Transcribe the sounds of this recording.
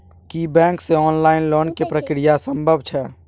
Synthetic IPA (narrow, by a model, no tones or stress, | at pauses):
kibɛ̃ːkseɔːnlaːɪnloːnkepɾəkɽijasəmbʱəbt͡ʃʰɛ